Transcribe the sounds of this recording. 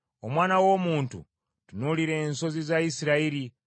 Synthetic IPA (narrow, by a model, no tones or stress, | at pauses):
o̞mwaːnawo̞muːntṵ | tunuliɾe̞ːnso̞zizaisiɾaiɾi